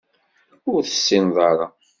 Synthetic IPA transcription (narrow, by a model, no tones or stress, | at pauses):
ʊɾθə̥sːinðˤɑɾˤɑ